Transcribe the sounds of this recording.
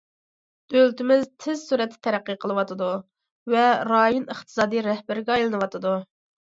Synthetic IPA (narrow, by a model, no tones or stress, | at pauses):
ølt̪ɪmɪzt̪ʰɪz̥suɾɛt̪ʰːɪ̥t̪ʰɛɾæqːiqʰəlˠɨwɑt̪ʰɨd̪u | vɛɾɑːjunəχt̪ʰɨ̥sɑːd̪ijɾɛhbæɾɡʲɛɑjlˠɨnɨwɑt̪ʰɨd̪u